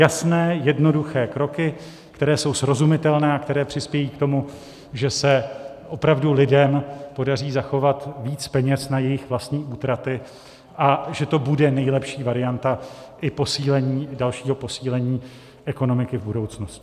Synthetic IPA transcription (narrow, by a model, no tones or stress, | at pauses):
jasnɛːjɛdno̞duxɛːkɾo̞kɪ | kt̪ɛɾɛːso̞wsɾo̞zumɪt̪ɛlnɛːakt̪ɛɾɛːpr̝̥ɪspjɛjiːkt̪o̞mu | ʒɛsɛʔo̞pɾavdulɪdɛmpo̞dar̝iːzaxo̞vat̪viːt͡spɛɲɛsnajɛjɪxvlast̪ɲiːʔuːt̪ɾat̪ɪ | ʔaʒɛt̪o̞budɛnɛjlɛpʃiːvaɾɪant̪a | ʔɪpo̞siːlɛɲiːdalʃiːɦo̞po̞siːlɛɲiː | ʔɛko̞no̞mɪkɪvbudo̞wt͡snoscɪ̥